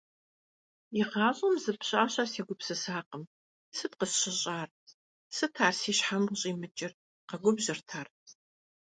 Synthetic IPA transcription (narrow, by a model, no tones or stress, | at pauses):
ɪʁɑːɕʼɐmzɨpɕʼaːɕɐseːɡʷʊpsɨsaːqəm | sɨt̚qəsɕɪɕʼaːr | sɨtʰaːrsiːɕħamɕʼiːmɨt͡ʃʼɪr | qɐɡʷʊbʑɪrtʰaːr